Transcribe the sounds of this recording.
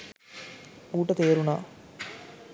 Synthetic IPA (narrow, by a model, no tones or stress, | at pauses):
uːʈət̪eːɾuna̰ː